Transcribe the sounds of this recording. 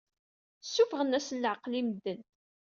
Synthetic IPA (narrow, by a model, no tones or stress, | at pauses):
sːufəʁənæsəlːəʕəqlimd̪ːən